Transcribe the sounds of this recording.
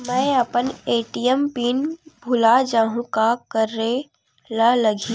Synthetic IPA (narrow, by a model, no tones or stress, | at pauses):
mɛ̃əpəneːʈiəmpiːnbʱʊlad͡ʒaːɦũkakəɾːe | laləɡʱi